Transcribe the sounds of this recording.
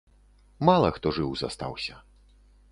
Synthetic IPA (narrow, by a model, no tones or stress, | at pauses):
malˠɐxt̪ɔʐɨwza̰st̪a̰wsʲɐ